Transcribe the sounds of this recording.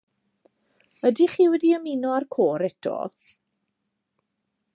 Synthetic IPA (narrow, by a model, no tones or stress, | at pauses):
ədiχiːwɛdiəminɔarkʰoːɾɛtʰɔ̰